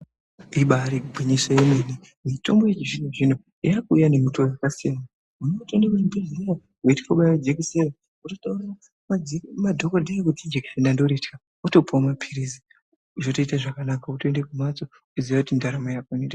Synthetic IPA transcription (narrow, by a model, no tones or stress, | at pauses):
iɓaɾikubʱeɲesajemeni | mito̞mbojet͡ʃiʐineʐin̤o | iakuujane̞muto̞jakasijama | muneutonewuimbizija | weti̥koɓawed͡ʒekiseɾa | utotauɾa | madʱo̞kodʱajekutid͡ʒeki̥senandoɾetka | uto̞puwamapʰiɾizi | ʐoto̞itaʐakanakautoendekumat͡so | uziʋakutindaɾamajakanede